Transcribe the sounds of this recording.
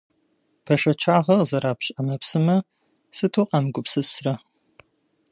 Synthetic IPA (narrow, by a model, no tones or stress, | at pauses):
pʰɐʃɐt͡ʃʰaːʁɐzɐɾaːpɕʼɐmɐpsɨmɐ | sɨtʰuːqʼɑnɡʷʊpsɨsrɐ